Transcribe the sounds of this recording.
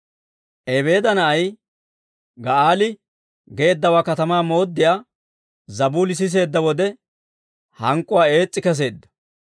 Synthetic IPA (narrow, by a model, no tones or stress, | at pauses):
ʔɛbe̞ːd̪ɐnɐʔɐj | ɡɐʔaːlɪ | ɡe̞ːd̪ːɐwaːkɐt̪ɐmaːmo̞ːd̪ːɪjaː | zɐbuːlɪs̬ɪs̬e̞ːd̪ːɐwɔd̪ɛ | hɐŋkʼːʊwaːe̞ːt͡sʼːɪkɛs̬e̞ːd̪ːɐ̥